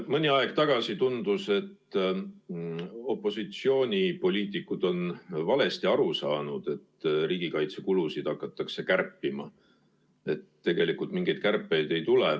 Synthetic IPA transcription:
mɤnʲiɑeɡ̥t̪ɑɡ̥ɑsit̪und̪̥use̞t̪ː | o̞pːo̞sit̪sio̞ːnʲipo̞lʲiːt̪ˑikːˑud̪̥o̞nvɑle̞st̪iɑɾusɑːnud̪̥e̞t̪ːriːɡ̥ikɑjt̪sekulusid̪̥ɑkːɑt̪ːˑɑkse̞kærpːˑimɑ̰ | e̞t̪t̪ːe̞ɡe̞likult̪miŋɡ̥ejd̥̪̚kærpːˑe̞jd̪̥e̞jt̪ule

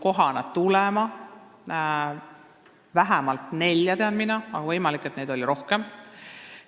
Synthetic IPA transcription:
ko̞ɦɑnɑd̪t̪ulɛmɑ | væɦæmɑlt̪ˑne̞lʲjɑt̪eɑnminɑɑ̰ɡ̥ɑvɤjmɑlikːˑet̪ne̞jd̪̥o̞lʲiɾo̞hkem

